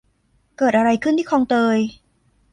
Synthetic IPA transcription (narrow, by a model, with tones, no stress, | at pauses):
kɤː˨˩t̪̚ʔa˧ɾa˧jkʰɯ˥˩nt̪ʰiː˥˩kʰɔː˧ŋt̪ɤː˧j